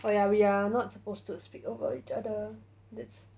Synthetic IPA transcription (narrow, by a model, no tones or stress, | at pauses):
ojawianɔtsə̥postuspikovə̰ḭt͡ʃadə | dɛts